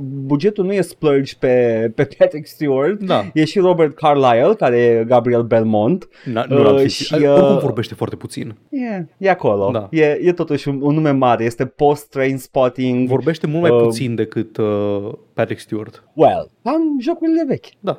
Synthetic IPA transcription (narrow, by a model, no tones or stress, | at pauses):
bud͡ʒe̞t̪ulnuje̞splərd͡ʒpe̞pe̞pʰat̪ɾikst̪juard̪d̪aje̞ʃiro̞bert̪̚kʰarlajelkaɾejeɡabɾielbe̞lmo̞nt̪ | əaʃiumvo̞rbe̞ʃt̪e̞foart̪e̞pu̥t̪sḭnjejeako̞lo̞d̪aje̞je̞t̪o̞t̪uʃuunːume̞maɾeje̞st̪epo̞st̪ːɾejnspot̪iŋɡvo̞rbe̞ʃt̪e̞mult̪mapusind̪e̞kɨt̪ | pat̪ɾikst̪uard̪̥wḛlamʒo̞kuɾile̞ve̞kʲd̪a